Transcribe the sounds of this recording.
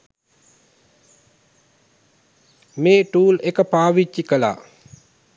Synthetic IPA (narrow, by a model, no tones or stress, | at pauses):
meːʈuːlekəpaːʋit͡ʃːikəla̰ː